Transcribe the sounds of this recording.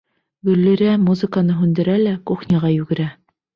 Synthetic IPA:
ɡɵ̆lːiɾæmuzɘ̆kanɤɦʉnd̪ɘ̆ɾælækuχnʲɑʁɑjʉɡɘ̆ɾæ

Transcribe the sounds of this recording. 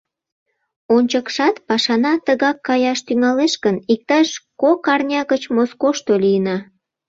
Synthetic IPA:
onʲt͡ɕəkʃɑt̪pɑʃɑnɑt̪əɣɑkːɑjɑʃt̪yŋɑleʃkənik̚t̪ɑʃkokɑrnʲɑɣət͡ɕmoskoʃt̪olijənɑ

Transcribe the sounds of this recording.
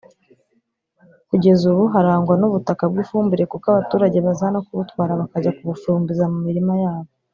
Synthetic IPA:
kuɟe̞zuβuɦaɾaːŋɡwanuβutakab̚ɡiːfuːmbuɾe̞kukaβatuːɾaɟe̞βazanakuβutkwaːɾaβakaɟakuβufumbizamumiɾimajaːβo

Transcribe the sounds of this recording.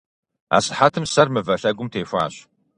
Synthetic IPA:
a̰ːsʼħatʰɨmsɐrmɨvɐɕɐɡʷʊmtʰeːfʷa̰ːɕ

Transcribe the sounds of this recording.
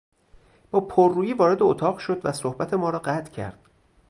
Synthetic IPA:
b̥ɒːpʰorːuːjiːvɒːɾe̞d̪eot̪ʰɒːɣʃo̞d̪væsohbæt̪ʰe̞mɒːɾɒːɢæt̪ʰcʰæ̰ɾd̪̥

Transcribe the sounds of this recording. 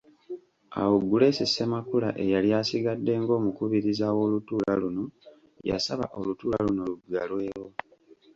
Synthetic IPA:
a̰wuɡule̞sisːemakula̰ʔe̞jaljaːsiɡadːe̞ŋɡo̞ːmukuβiɾizawo̞ːlutuːlaluno̞ | ja̰saβa̰ʔo̞lutuːlaluno̞luɡalwe̞ːɾo̞

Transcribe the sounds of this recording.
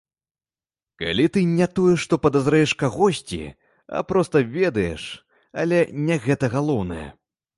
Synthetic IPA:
ka̰lʲit̪ɨnʲɛt̪ɔjɛʂt̪ɔpɐd̪azɾajɛʂkaɣɔsʲt͡sʲḭ | ɐ̰pɾɔst̪ɐvʲɛd̪ɐjɛ̰ʂ | ɐ̰lʲɛnʲɛɣɛt̪ɐɣalˠɔwnɐjɛ̰

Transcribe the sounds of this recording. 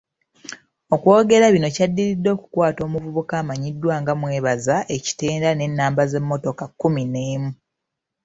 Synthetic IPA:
o̞kwo̞ːɡe̞ɾaβino̞cadːiɾidːo̞ːku̥kwaːto̞ːmuvuβukaːmaɲidːwaːŋɡamwe̞ːβazaʔe̞ci̥te̞ːndane̞nːaːmbaze̞mːo̞to̞kakːumine̞ːmu

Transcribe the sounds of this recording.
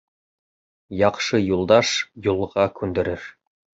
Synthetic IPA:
jɑqʃɤjulˠd̪ɑʃjulˠʁɑkʉnd̪ɘ̆ɾɘɾ

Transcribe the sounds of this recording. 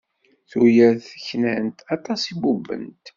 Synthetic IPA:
θujæθəçnænt̪ɑt̪ˤɑsibubə̰nt̪

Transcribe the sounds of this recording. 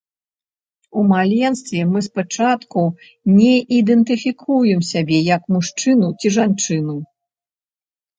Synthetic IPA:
umalʲɛnst̪vʲɛmɨspat͡ʂat̪ku | nʲɛʔid̪ɛnt̪ɨfʲikʰujɛmsʲabʲɛjɐkmuʂt͡ʂɨnut͡sʲiʐant͡ʂɨnu

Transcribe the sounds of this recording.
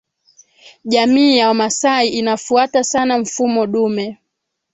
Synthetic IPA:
ʄamiːjawamasaiʔinafuatasanaɱ̩fumɔɗumɛ

